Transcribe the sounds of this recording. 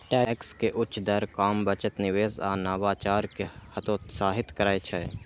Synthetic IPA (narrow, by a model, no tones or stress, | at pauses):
ʈɛːkskeʔʊtːʃd̪ɐɾkaːmbət͡ʃət̪nɪʋeːza̰ːnaːʋaːt͡ʃaːɾkehɐt̪oːt̪saːɦɪt̪kəɾaːet͡ʃʰɛː